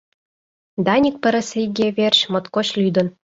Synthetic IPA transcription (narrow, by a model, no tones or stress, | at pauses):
d̪ɑnʲik̚pə̆ɾɘ̆sejɡʲeβerɕmŏt̪koɕlʲyd̪ɤ̆n